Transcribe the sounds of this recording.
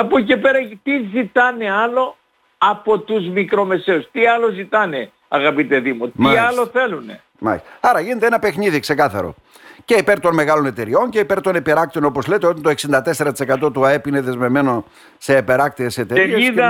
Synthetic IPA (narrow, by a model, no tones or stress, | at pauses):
ɐpuce̞pe̞ɾɐt̪izit̪ɐneɐlo̞ | ɐpo̞t̪uzmikɾo̞me̞se̞ust̪iɐlozit̪ɐne | ɐ̰ɣɐpit̪e̞ðimotmɐiɐlo̞θe̞lunḛ | mɐ̰sɐɾɐʝinet̪eenɐpe̞xniðikse̞kɐθɐɾo̞̰ | ce̞ipe̞ɾt̪o̞nme̞ɣɐlo̞ne̞t̪e̞ɾio̞nce̞ipe̞ɾt̪o̞nepeɾɐk̚t̪iono̞po̞zlet̪eo̞t̪ɐnt̪o̞eksind̪ɐt̪e̞se̞ɾɐt̪i̥se̞kɐt̪o̞t̪uɐepine̞ðe̞zme̞vme̞no̞ | se̞ːpe̞ɾɐk̚t̪iese̞t̪eeɾeisðɐ